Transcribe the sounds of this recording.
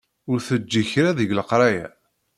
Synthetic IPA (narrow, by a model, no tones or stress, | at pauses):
ʊɾθəd͡ʒːiçɾaðəʝləqɾˤɑjæ